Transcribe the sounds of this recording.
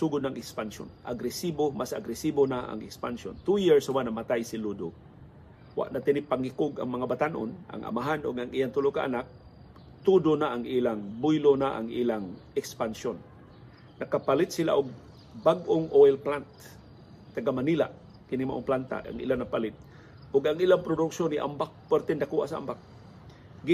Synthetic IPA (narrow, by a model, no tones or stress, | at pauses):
suɡʊd̪̚naŋɪkspanso̰nʔa̰ɡɾɪsibomasaɡɾɪsibonaʔa̰ŋɪkspansont̪ujiɹsawaʔnamat̪ajsɪlud̪o | wa̰ʔnat̪ɪnɪpaŋɪkʊɡa̰ŋmɐŋabat̪anʔo̰nʔa̰ŋʔa̰maɦanʔʊɡaŋijant̪ʊloʔka̰ʔa̰nak̚ | t̪ud̪onaʔːŋʔilaŋbʊjlonaʔa̰ŋʔilaŋɛkspansjonː | akapalɪt̪̚sila̰ʔʊɡ̚ | baɡʔoŋʔojlplant̪̚ː | aɡamanila̰ʔ | kɪnimaʔoŋplant̪a̰ʔa̰ŋḭlanapalɪt̪̚ | ʔʊɡaŋilaŋpɾʊd̪ʊksoniʔa̰mbak̚pɛɾt̪ɛnd̪akuʔa̰saʔa̰mbak̚ | ɡ